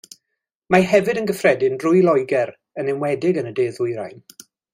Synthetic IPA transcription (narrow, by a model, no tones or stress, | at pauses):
maɦɛvɨdənɡəfrɛdɪnrʊjlɔjɡɛɾ | ənɪmwɛdɪɡənədeːðʊjɾa̰jn